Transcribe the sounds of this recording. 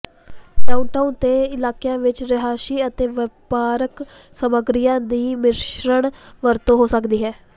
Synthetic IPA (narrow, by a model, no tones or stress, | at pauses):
ɖaːʊɳʈaːunt̪eːɪlaːkejãːʋɪt͡ʃɾɪɦaːsiːət̪eːʋɪpaːɾək | səməɡɾijãːd̪iːmɪʃɾəɳʋəɾt̪õːɦoːsəkd̪iːɦɛː